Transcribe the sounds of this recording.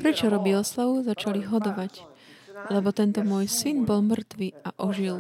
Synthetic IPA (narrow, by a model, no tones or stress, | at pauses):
pɾɛt͡ʃɔɾɔbiɔslaʋuzat͡ʃaliɦɔd̪ɔʋac | lɛbɔt̪ɛnt̪ɔmʊɔjsinbɔlmr̩t̪ʋiaʔɔʒil